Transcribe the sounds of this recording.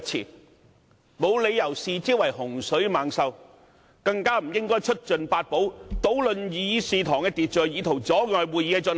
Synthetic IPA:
t͡sʰḭː˨˩n | mo˨˧wle˨˧jːɐ˨˩wsiː˨˧t͡siː˥wɐ˨˩jhʊ˨˩ŋsɵ˨˥ɥmaː˨ŋsɐ˨w | kɐ˧ŋkaː˥m̩˨˩jɪ˥ŋkɔː˥jt͡ʃʰɵ˥t̚t͡ʃɵ˨npaː˧t̚po˨˥wt̪o˨˥wlɵ˨njiː˨˧jiː˧siː˨˧t̪ʰɔː˨˩ŋkɛː˧t̪iː˨t̚t͡ʃœː˨jiː˨˧t̪ʰo˨˩wt͡sɔː˨˥ŋɔː˨jwuː˨jiː˨˧˥ɛ˧t͡sːn

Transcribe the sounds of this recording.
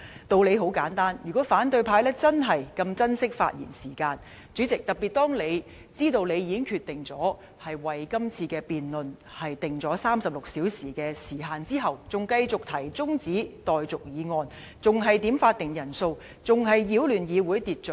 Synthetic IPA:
t̪o˧wle˨˧jɦo˨˥wkaː˨˥nt̪aː˥njy˨˩kɔː˨˥faː˨˥nt̪ɵ˧ɥpʰaː˧jlɛː˥t͡sɐ˥nɦɐ˨˩jkɐ˧mt͡sɐ˥nsɪ˥k̚fa̰ː˧t̚jḭ˨˩nsiː˨˩kaː˧n | t͡ʃyː˨˥t͡sɪ˨k̚t̪ɐ˨k̚pi˨˩t̚t̪ɔː˥ŋle˨˧j | t͡siː˥t̪o˧wne˨˧jiː˨˧kɪ˥ŋkʰyː˧t̚t̪ɪ˨˩ŋt͡sɔː˨˥ | hɐ˨jwɐ˨˩jkɐ˥mt͡sʰiː˧kɛː˧piː˨nlɵ˨n | hɐ˨jt̪ɪ˨˩ŋt͡sɔː˨˥saː˥msɐ˨p̚lʊ˨k̚siː˨˥wsiː˨˩kɛː˧siː˨˩ɦaː˨˧nt͡siː˥ɦɐ˨wt͡sʊ˨ŋkɐ˧jt͡sʊ˨k̚t̪ʰɐ˨˩jt͡sʊ˥ŋt͡siː˨˥t̪ɔː˨jt͡sʊ˨k̚jiː˨˧ŋɔː˧n | t͡sʊ˨ŋɦɐ˨jt̪i˨˥mfaː˧t̚t̪ɪ˨ŋjɐ˨˩nso˧w | t͡sʊ˨ŋɦɐ˨jjiː˨˧˥wlyː˨˩njiː˨˧wuː˨˥jt̪iː˨t̚t͡ʃɵ˨˥

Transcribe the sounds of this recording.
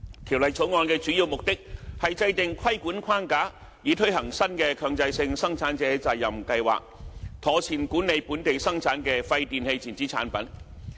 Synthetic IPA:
kʰi˨˩wlɐ˨jt͡sʰo˨˥wŋɔː˧nkɛː˧t͡ʃyː˨˥jiː˧wmʊ˨k̚t̪ɪ˥k̚hɐ˨jt͡sɐ˧jt̪ɪ˨ŋkʰɐ˥jkuː˨˥nkʰaː˥nkaː˨˥ | jiː˨˧t̪ʰɵ˥ɥhɐ˨˩ŋsɐ˥nkɛː˧kʰœː˧ŋt͡sɐ˧jsɪ˧ŋsɐ˥ŋt͡sʰaː˨˥nt͡sɛː˨˥t͡sa˨˩jːɐ˨mkɐ˧jwa̰ː˨k̚t̪ʰɔː˨˥t͡sʰiː˨˩nkuː˨˥nːe˨˧jpuː˨˥nt̪e˨jsɐ˥ŋt͡sʰaː˨˥nkɛː˧fɐ˧jt̪iː˨nhe˧jt͡sʰi˨˩nt͡siː˨˥t͡sʰaː˨˥npɐ˨˥n

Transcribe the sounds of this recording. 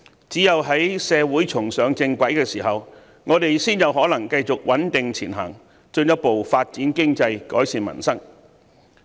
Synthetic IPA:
t͡siː˨˥jɐ˨wɦɐ˨˥jsɛː˨˧wuː˨˥jt͡sʰʊ˨˩ŋsœː˨˥ŋt͡sɪ˧ŋkʷɐ˨˥jkɛː˧siː˨˩ɦɐ˨w | ŋɔː˨˧t̪e˨jsiː˥njɐ˨˧wɦɔː˨˥lɐ˨˩ŋkɐ˧jt͡sʊ˨k̚wɐ˨˥nt̪ɪ˨ŋt͡sʰḭː˨˩nɦɐ̰˨˩ŋ | t͡ʃɵ˧njɐ˥t̚po˨wfaː˧t̚t͡siː˨˥nkɪ˥ŋt͡sɐ˧jkɔ̰ː˨˥jsiː˨nmɐ̰˨˩nsɐ˥ŋ

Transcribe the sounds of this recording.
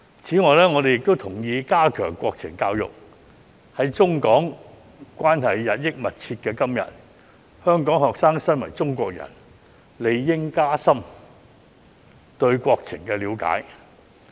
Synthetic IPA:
t͡sʰiː˨˥ŋɔː˨˩jlɛː˥ŋɔ˨˧e˨jɪ˨k̚t̪o˥wt̪ʰʊ˨˩ŋjiː˧kaː˥kʰœː˨˩ŋkʷɔː˧k̚t͡sʰɪ˨˩ŋkaː˧wjʊ̰˨k̚ | hɐ˨˥jt͡sʊ˥ŋkɔː˨˥ŋ | kʷaː˥nhɐ˨jːɐ˨t̚jɪ˥k̚mɐ˨t̚t͡sʰiː˧t̚kɛː˧kɐ˥mjɐ̰˨˩t̚ | hœː˥ŋkɔː˨˥ŋɦɔː˨k̚saː˥ŋsɐ˥nwɐ̰˨˩jt͡sʊ˥ŋkʷɔː˧k̚jɐ̰˨˩n | le˨˧jːɪ˥ŋkaː˥sɐ˥m | t̪ɵ˧ɥkʷɔː˧k̚t͡sʰɪ̰˨˩ŋkɛː˧liː˨˧wka̰ː˨˥j

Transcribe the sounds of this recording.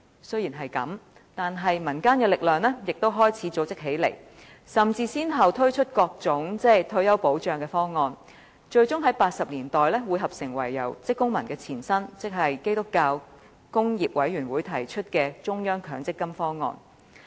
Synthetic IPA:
sɵ˥ɥjiː˨˩nɦɐ˨jkɐ̰˨˥m | t̪aː˨nɦɐ˨jmɐ˨˩nkaː˥nkɛː˧lɪ˨k̚lœː˨ŋlɛː˥jɪ˨k̚t̪o˥wɦɔː˥jt͡sʰiː˨˥t͡so˨˥wt͡sɪ˥k̚ɦe˨˥jlḛ˨˩j | sɐ˨mt͡siː˧siː˥nɦɐ˨wt̪ʰɵ˥ɥt͡ʃʰɵ˥t̚kɔː˧k̚t͡sʊ˨˥ŋt͡sɛː˥t̪ʰɵ˥ɥjɐ˥wpo˨˥wt͡ʃœː˨˧ŋkɛː˧fɔː˥ŋɔː˧n | t͡ʃɵ˧ɥt͡sʊ˥ŋɦɐ˨˥jpaː˧t̚sɐ˨p̚liː˨˩nt̪ɔː˨jlɛː˥wu˨˧jɦɐ˨p̚sɪ˨˩ŋwɐ̰˨˩jːɐ̰˨˩wt͡sɪ˥kːʊ˥ŋmɐ˨˩nkɛː˧t͡sʰiː˨˩nsɐ˥nt͡sɪ˥k̚ɦɐ˨jke˥jt̪ʊ˥kːaː˧w | kʊ˥ŋjiː˨p̚wɐ˨˥jɥyː˨˩nwuː˨˥jt̪ʰɐ˨˩jt͡ʃʰɵ˥t̚kɛː˧t͡ʃʊ˥ŋjœː˥ŋkʰœː˨˥ŋt͡sɪ˥kːɐ˥mfɔː˥ŋɔ̰ː˧n

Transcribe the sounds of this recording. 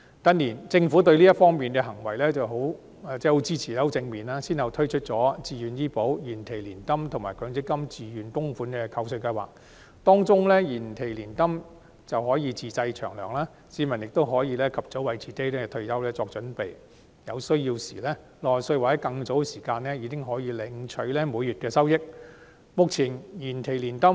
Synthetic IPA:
t̪ɐ˥nliː˨˩nt͡sɪ˧ŋfu˨˥t̪̬ɵ˧ɥliː˥jɐ˥t̚fɔː˥ŋmiː˨nkɛ˧ɦɐ˨˩ŋwɐ˨˩jlɛː˥t͡sɐ˨wɦo˨˥w | t͡sɛː˥˩ho˨˥wt͡siː˥t͡sʰi˨˩ɛː˥ho˨˥wt͡sɪ˧ŋmiː˨˩naː˥siː˥nhɐ˨˧wt̪ʰɵ˥ɥt͡ʃʰɵ˥t̚t͡ʃɔː˨˥t͡siː˨jyː˨˧njiː˥po˨˥wjiː˨˩nt̪ʰe˨˩jliː˨˩nt̪ɐ˥mt̪ʰʊ˨˩ŋmaː˨˩jkʰœː˨˧ŋt͡sɪ˥kːɐ˥mt͡siː˨jyː˨nt̪ʊ˥ŋfuː˨˥nkɛ˧kʰɐ˧wsɵ˧ɥkɐ˧jwa̰ː˨k̚ | t̪ɔː˥ŋt͡sʊ˥ŋlɛː˥jiː˨˩nt̪ʰe˨˩jliː˨˩nt̪ɐ˥m | t͡sɐ˨whɔː˨˥jiː˨˧t͡siː˨t͡sɐ˧jt͡ʃʰœː˨˩ŋlœː˨˩ŋlaː˥ | siː˨˥mɐ˨˩njɪ˨k̚t̪o˥wɦɔː˨˥jiː˧lɛː˥kʰɐ˨p̚t͡sɔ˨˥wɐ˨jt͡sʰiː˨˥t̪e˥jlɛː˥t̪ʰɵ˧ɥjɐ˥wlɛː˥t͡sɔː˧k̚t͡ʃɵ˨˥npe˨j | jɐ˨˧wsɵ˥ɥjiː˧wsḭː˨˩lɛː˥ | lɔː˨jsɵ˧ɥwa˨˩ɐ˨˥kɐ˧ŋt͡so˨˥wsiː˨˩kaː˧nlɛː˥jiː˨˧kɪ˥ŋɦɔː˨˥jiː˨˧lɪ˨˧ŋt͡ʃʰɵ˨˧˥ɥlɛː˥muː˨˧jyː˨t̚kɛː˧sɐ˥wjɪ˥k̚ | mʊ˨k̚t͡sʰiː˨˩njiː˨˩nt̪ʰe˨˩jliː˨˩nt̪ɐ˥

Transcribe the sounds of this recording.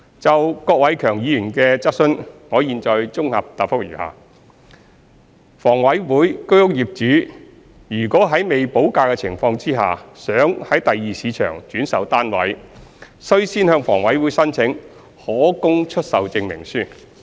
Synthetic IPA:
t͡sɐ˨wkɔː˧k̚wɐ˨˧jkʰœː˨˩ŋjiː˨˧jyː˨˩nkɛː˧t͡sɐ˥t̚sɵ˥nŋɔː˨˧jiː˨nt͡ʃɔː˨˧jt͡sʊ˥ŋhɐ˨p̚t̪aː˨t̚fʊ˥k̚jyː˨˩ha̰ː˨ | fɔː˨˩ŋwɐ˨˥jwuː˨˥jkɵ˥hʊ˥k̚jiː˨˩p̚t͡ʃyː˨˥ | jyː˨˩kʷɔː˨˥ɦɐ˨˥jme˨jpo˨˥wkaː˧kɛ˧t͡sʰɪ˨˩ŋfɔː˧ŋt͡siː˥ɦa̰ː˨sœː˨˥ŋhɐ˨˥jt̪ɐ˨jːiː˨siː˨˧t͡ʃʰœ̰ː˨˩ŋt͡ʃyː˨˥nsɐ˨wt̪aː˥nwɐ̰˨˥j | sɵ˥ɥsiː˥nhœː˧ŋfɔː˨˩ŋwɐ˨˥jwuː˨˥jsɐ˥nt͡sʰɪ˨˥ŋ | hɔː˨˥kʊ˥ŋt͡ʃʰɵ˥t̚sɐ˨wt͡sɪ˧ŋmɪ̰˨˩ŋsyː˥

